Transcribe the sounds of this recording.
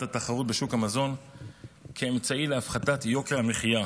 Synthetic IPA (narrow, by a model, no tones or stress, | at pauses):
tataχaʁut̚beʃukhamazo̞n | kʰeemt͡saileafχatatjo̞keʁhameχija